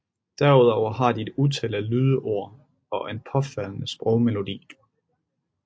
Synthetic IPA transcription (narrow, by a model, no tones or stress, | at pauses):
d̥æɐuð̞ˠɒʊ̰ɐɦɑ̈d̥ie̝d̥ut͡sʰelælyːð̞ˠəʔo̝ɐ̰ | ɒ̽ʔe̝npʰɒ̽fæl̰nəsb̥ʁɔʊme̝lo̝d̥ḭː